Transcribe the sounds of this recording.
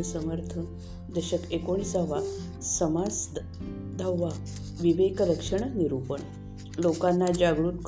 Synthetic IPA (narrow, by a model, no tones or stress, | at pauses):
səməɾt̪ʰə | d̪əɕəkekoɽ̃isaʋa | səmad͡z | d̪ʱawːa | ʋiʋekɾəkʂəɳ̃əniɾupəɳ | lokanːad͡ʑaɡɭuːt̪k